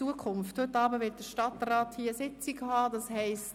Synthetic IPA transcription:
uəkʰʊmfthøtːɑːbəʋɪt̚d̥əʃtɑtrɑːthiːsɪt͡sɪɡhɑːdɑshɛɪst

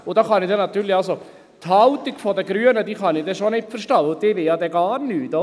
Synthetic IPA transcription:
ʊd̥ɑːχɑnɪdɛnɑt̪yːɾlɪɑlso | t̪hɑlt̪iɡ̥fɔdəɡɾyənədiːχɑnɪdɛʃonɪtfəɾʃtɑʊd̥ɪʋɪljɑd̪ɛɡɑːɾnyːt̪ɔ

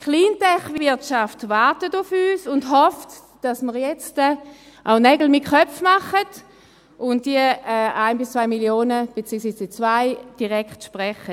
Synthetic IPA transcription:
kʰχliːntɛχvɪɐtʃaftvaɾtətʊfyːsʊndɦɔft | d̥asməʁjɛt͡stə | ʔa̰ʊnɛɡl̩mɪt̚kœp͡fmaχəd | ʊnt̚d̥iəɛaɪnbɪst͡svaɪmiljoːnəb̥et͡siːɡksiːsd̥iːt͡svaɪd̥iʁɛkχtʃpʁɛχə

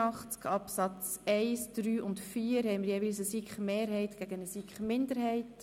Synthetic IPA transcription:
ɑχt͡skɑpsɑt͡sɛɪsd̥ɾyːʔʊntfiːəɾhɛɪməɾjeːviːlsəsikχmeːɾɦɛɪtɡ̥æɡənəsikχmɪndəɾhɛɪt

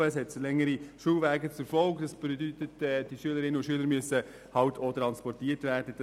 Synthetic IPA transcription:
ɛshɛtslɛŋəɾiʃuːʋæːɡət͡sʊɾfɔlɡdɑsb̥edytətɛd̥iʃyələɾɪnəʊʃyələɾmyøəsə | hɑʊtʰot̪ɾɑnspɔɾtiːtʋæːɾdəd̥ɑ

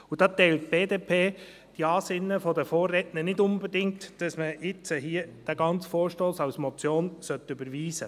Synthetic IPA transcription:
ud̥ɑːt̪ɛɪltb̥eːdeːpʰeː | d̥iɑːsɪnːəfɔdəfoːrːɛtnənɪdʊnbɛdɪŋtd̥ɑsməɪt͡səɦiːəd̥æɡɑnt͡sfoːɾʃtoːsɑwsmɔt͡sjoːnsœtʏbəɾʋiːsə

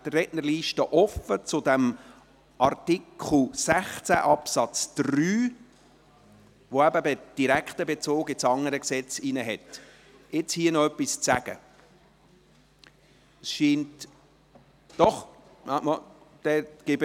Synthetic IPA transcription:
d̥̪ərɛʔnərliːʃtəʔɔfət͡sʊdɛm | ʔɑrtikʰl̩sæχt͡sæ̰ʔɑpsɑt͡sd̪̥ryː | ʋoæbəbɛd̥iɾækχt̪əbet͡soːɡɪsɑŋəɾəksɛt͡sinəɦɛt | ɪt͡shiːənɔœpːist͡sæɡ̥ə̰ | əsʃiːnt | d̥ɔχ | mɑmɑd̪̥ɛɡ̥ɪbə

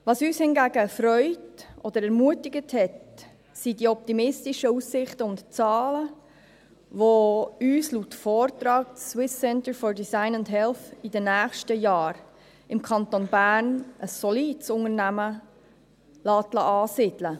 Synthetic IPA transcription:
vɑsyːshɪnɡæːɡəfɾœʏtʔɔd̥̪əɾɛɾmuətɪɡəthɛt | sidiɔp̚timɪstiʃəusːɪχtəʊntt͡sɑːlə | ʋoyːslutfɔːɾt̪ɾɑːk̚ːwɪsːɛntəɾfɔɹdisaɪnʊndɦɛlθidənæːχʃtəjɑːɾ | ɪmkʰɑnt̪onbæːɾnəsːɔliːdəsʊŋəɾnæmə | lɑːtlɑ̰ʔɑːsɪd̥lə

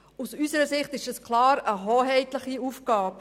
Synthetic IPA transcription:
usysəɾəsɪχt̪ɪʃɛskʰlˠɑːɾəɦoːɦɛɪt̪ləχiufɡ̥ɑːp

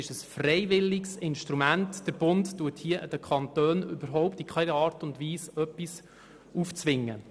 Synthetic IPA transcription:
ɪʃəsfrɛjʋɪlːɪksɪnʃtɾumæntd̥əɾb̥ʊnttːuəthiəʔd̥əkʰχɑnt̪øːnʏbəɾɦɔʊptikʰɛɪnəɑːrtʊndʋiːsœpːis | uft͡sʋɪŋːə

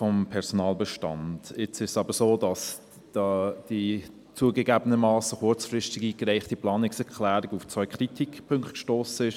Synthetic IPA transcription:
fɔmpʰɛʁsonɑːlbəʃtɑ̰nd̥ɪt͡sɪʃsɑːbəsoːdɑs | d̥ɑːd̥i | t͡suːəɡəɡæːbənəmɑːsəχʊɾt͡sfrɪstɪɡiːkɾæɪχtiplɑːnɪksɛʁkʰlæːɾɪɡuft͡svœʏkʰʁitʰikpʰʏŋktkʃtoːsəɪʃ

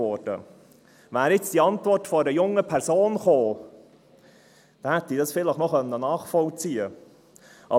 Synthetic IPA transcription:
ɔɾd̥ə̰ | væːɾɪt͡sd̥iɑntvɔrtfɔəɾəjʊŋːəpʰɛɾsoːnχoː | d̥̪ɛhɛt̪ːiːdɑsfɪləχnɔχœnːənɑːχfɔlt͡siːə | ʔɑ

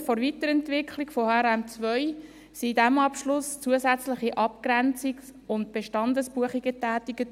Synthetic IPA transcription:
foɾvitəɾɛntʋɪkʰlikfɔhɛɾæmt͡sʋœʏ | sidæmɑpʃlʊst͡suəzæt͡slɪχiʔɑpkɾɛnt͡siksʊntb̥eʃtɑndəsb̥uəχiɡətæːtiɡ̥ə

